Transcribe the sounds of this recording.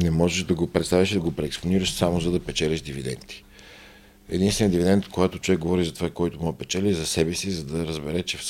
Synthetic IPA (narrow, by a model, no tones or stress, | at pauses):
nɛmɔʒɛʃd̪ɐɡopɾɛt̪st̪avʲiʃd̪ɐɡopɾɛːksponiɾəʃsamozɐd̪ɐpɛt͡ʃɛlʲɐʃd̪ivid̪ɛ̰nt̪i̥ | ɛ̰d̪inst̪vɛnijəd̪ivid̪ɛnt̪koɡat̪ot͡ʃovɛk̚ɡovɔɾizɐt̪ovakɔjt̪omopɛt͡ʃɛlʲizɐsɛbɛsizɐd̪ɐɾəzbɛɾɛt͡ʃɛf